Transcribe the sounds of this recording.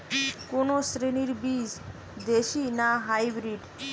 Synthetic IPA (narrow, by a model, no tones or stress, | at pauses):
konosɾiniɾbid͡ʒ | d̪eʃinaɦajbɾiɖ